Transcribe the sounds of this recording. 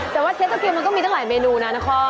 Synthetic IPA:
t̪ɛː˨˩waː˥˩t͡ɕʰe˦˥t̪ːo˧pʰi˧wma˧nk̪ɔ˥˩mi˧a˥˩laː˩˦jmeː˧nuː˧na˦˥na˦˥kʰɔ˦˥˩

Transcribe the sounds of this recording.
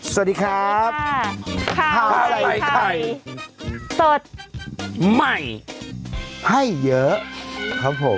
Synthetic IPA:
sw̚diː˧kʰɾa˦˥p̚kʰaː˧˩˨a˧la˨˦jk̪ʰa˧˩j | so˨˩t̪̚ | ma˥˩j | kʰa˥˩jːɤ˦˥ʔkʰɾa˦˥p̚ʰːo˩˦m

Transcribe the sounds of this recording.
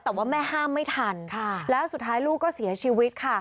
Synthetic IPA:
t̪ɛː˨˩waː˥˩mɛː˥˩haː˥˩mːa˥˩jt̪ʰa˧nkʰa˧˩lɛː˦˥wsu˨˩t̪ʰːaː˦˥jluː˥˩kːɔː˥˩si˩˦ɐt͡ɕʰiː˧wi˦˥t̪̚kʰa˥˩

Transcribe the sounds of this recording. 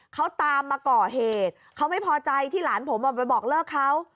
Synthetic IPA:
kʰa˦˥wt̪aː˧mːaː˧kɔː˨˩ɦeː˨˩t̪̚kʰa˦˥wma˥˩jpʰɔː˧t͡ɕa˧jt̪ʰiː˥˩laː˩˦npʰo˩˦mʔaː˨˩pa˧jbɔː˨˩k̚lɤː˥˩kʰːa˦˥w

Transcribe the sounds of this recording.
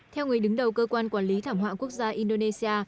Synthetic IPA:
t̪ʰɛ˧wŋɨ˨˩əjɗɨ˨˦ŋɗə˨˩wkəː˧kwaː˧nkwaː˧˩nli˨˦t̪ʰaː˧˩mɦwa̰ː˧˨ku˦˥ək̚zaː˧ʔi˧nɗo˧ne˧si˧aː˧

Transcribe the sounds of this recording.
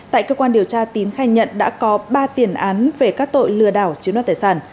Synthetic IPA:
t̪a̰ː˧˨jkəː˧kwaː˧nɗi˨˩əwt͡ɕaː˧t̪i˨˦nxaː˧˩jɲə̰˧˨nɗa̰ː˧˥kɔ˨˦ɓaː˧t̪i˨˩ənʔaː˨˦nve˨˩kaː˦˥k̚t̪o̰˧˨jlɨ̰˧˩əɗaː˧˩wt͡ɕi˨˦nwt̪aː˨˩saː˧˩n

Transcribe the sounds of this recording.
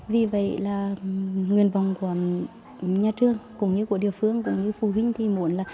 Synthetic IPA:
vi˨˩və̰˧˨jlaː˨˩ŋɨ˨˩ənva˨˩wŋ͡mku˧˩˦ə | ɲaː˧t͡ɕɨ˧˩əŋkʊ̰˧˥ŋ͡mɲɨ˧ku˧˩əɗi˨˩əwfɨ˧əŋkʊ̰˧˥ŋ͡mɲɨ˧˦fu˧˩ɦï˧ŋ̟t̪ʰi˨˩mu˧˦ənlaː˨˩

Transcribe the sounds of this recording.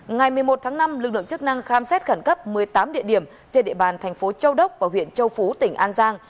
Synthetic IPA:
ŋa˨˩jmɨ˨˩əjmo˨˩t̚t̪ʰaː˨˦ŋna˧mlɨ˨˩k̚lɨ̰˧˨ŋt͡ɕɨ˦˥k̚na˧ŋxaː˧msɛ˦˥t̚xə˧˩nkə˦˥p̚mɨ˨˩əjt̪aː˨˦mɗḭ˧˨ənɗi˧˩əm | t͡ɕe˧nɗḛ˧˨ɓaː˨˩nt̪ʰa˨˩jŋ̟fo˨˦t͡ɕə˧wɗə˦˥wk͡p̚vaː˨˩hwḭ˧˨ənt͡ɕə˧wfu˨˦t̪ï˧˩ŋ̟ʔaː˧nzaː˧ŋ

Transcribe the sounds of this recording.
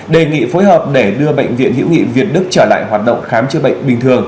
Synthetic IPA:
ɗe˨˩ŋḭ˧˨fo˨˦jɦəː˨˩p̚ɗe˧˩ɗɨ˧əɓə̰˧˨jŋ̟vḭ˧˨ənɦḭ˧˥wŋḭ˧˨vi˨˩ət̚ɗɨ˦˥k̚t͡ɕəː˧˩la̰ː˧˨jɦwaː˨˩t̚ɗə̰˧˨wŋ͡mxaː˨˦mt͡ɕɨ˧əɓə̰˧˨jŋ̟ɓï˨˩ŋ̟t̪ʰɨ˨˩əŋ

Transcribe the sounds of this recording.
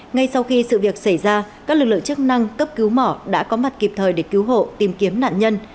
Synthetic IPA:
ŋa˧jsa˧wxi˧sɨ̰˧˨vi˨˩ək̚sa˧˩jzaː˧kaː˦˥klɨ˨˩k̚lɨ̰˧˨ə̰˨ŋt͡ɕɨ˦˥k̚na˧ŋkə˦˥p̚ki˨˦wmɔ˧˩ɗa̰ː˧˥kɔ˨˦ma˨˩t̚ki˨˩p̚t̪ʰəː˨˩jɗe˧˩ki˨˦wɦo̰˧˨t̪i˨˩mki˨˦əmna̰ː˧˨nɲə˧n

